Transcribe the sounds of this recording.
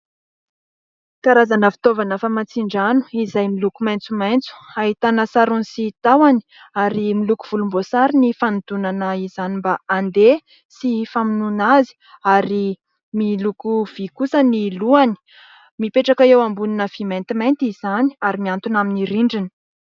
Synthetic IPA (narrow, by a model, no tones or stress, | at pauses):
kaɾazanəfi̥t̪ovanəfamant͡siɳɖ͡ʐanu̥izajmilukumajnt͡sumajnt͡su̥aɦit̪anəsaɾunisit̪awani̥ | aɾimilukuv̥ulumbosaɾinifand̪unanəizanimbaand̪e | sifaminunazi̥ | aɾi | milukuv̥ikusəniluani̥ | mipeʈ͡ʂakaewambuninəv̥iment̪imajnt̪izaniaɾimiant̪unaminiɾiɳɖ͡ʐini̥